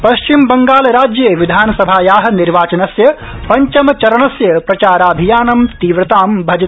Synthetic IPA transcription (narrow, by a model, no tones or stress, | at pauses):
pɐʃt͡ʃimbɐŋɡaːlɾaːd͡ʒjeːʋid̪ʱaːnɐsɐbʱaːjaːɦɐ̆niɾʋaːt͡ʃɐnɐsjɐ | pɐɲt͡ʃɐmɐt͡ʃɐɾɐɳɐsjɐpɾɐt͡ʃaːɾaːbʱijaːnɐmt̪iːʋɾɐt̪aːmbʱɐd͡ʒɐ